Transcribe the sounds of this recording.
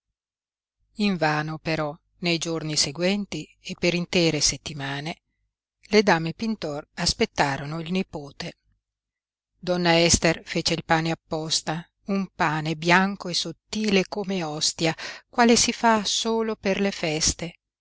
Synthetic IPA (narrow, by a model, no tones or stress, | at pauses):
iɱvaːnopeɾɔ | nejd͡ʒorniseɡwɛnt̪iepːeɾint̪ɛːɾeset̪ːimaːne | led̪aːmepint̪ɔraspet̪ːaːɾonoilnipoːt̪e | d̪ɔnːaɛst̪erfeːt͡ʃeilpaːneapːɔst̪a | umpaːnebjaŋkoesot̪ːiːlekomeɔst̪jakwaːlesifasoːloperlefɛst̪e